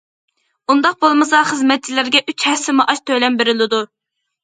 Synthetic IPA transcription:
und̪ɑq̚bolˠmɨsɑχəzmɛt̪̚t͡ʃʰilɪɾɡʲɛʔyt͡ʃhɛsɪmʊʔɑʃt̪ʰølɛmbeɾɪlɪd̪u

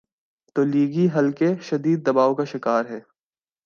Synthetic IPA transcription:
t̪oːliːɡiɦɐlkeʃɐd̪iːd̪̚ːɐbaːokaʃɪkaːɾɦɛː

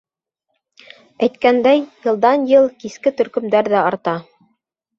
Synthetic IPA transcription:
æjt̪kænd̪æjjɤ̆lˠd̪ɑnjɤlˠkiskɘt̪ɵ̆ɾkɵ̆md̪æɾðæɑɾt̪ɑ

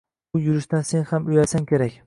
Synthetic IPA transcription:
ʊjʊɾɪʃt̪anse̞nhamʊjasaŋkʲʰeɾakʲ

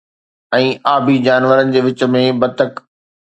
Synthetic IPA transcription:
ɛ̃ːʔaːbʱid͡ʑaːnʋəɾənɪ̆d͡ʑeːʋɪt͡ɕ̆mẽbɐt̪ək

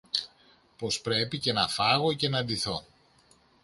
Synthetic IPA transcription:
po̞spɾe̞pice̞nɐfɐɣo̞ce̞nɐðiθo̞

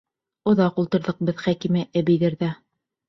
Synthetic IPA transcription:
ŏðɑqulˠt̪ɤ̆ɾðɤ̆q̚bɤðχækimɘʔæbijðɘɾðæ

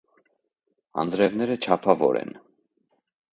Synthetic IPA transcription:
ɑ̰ndɾɛvnɛɾət͡ʃʰɑpʰɑvɔ̰ɾɛ̰n

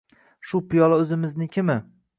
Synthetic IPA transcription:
ʃʊpʰɪjɒlˠaɵzɪmɪznɪkʲʰɪmɪ

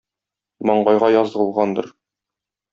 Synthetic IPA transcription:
mɒɴɢɑjʁɑjɒzʁɤ̆lˠʁɑnd̪ɤ̰̆ɾ

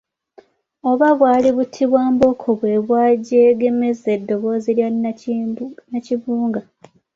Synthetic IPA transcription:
o̞βaβwaːliβutʰiβwaːmbo̞kʰoβwe̞ːβwaːɟeɡe̞me̞ze̞dːo̞βo̞ːzilja | naciβuːŋɡa

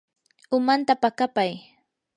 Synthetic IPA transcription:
ʊmant̪apakapaj

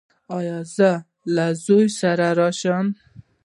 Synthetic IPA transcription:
ɑjɔzə | lazujsaɾaɾɔʃɔn

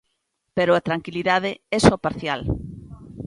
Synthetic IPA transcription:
peɾʊat̪ɾaŋkiliðað̞eɛsopaɾθjal

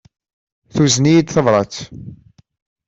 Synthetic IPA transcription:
θuznijid̪θəvɾˤɑt͡s

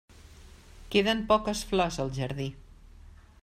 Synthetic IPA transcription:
keðəmpɔkəsflɔzəlˠʒəɾði

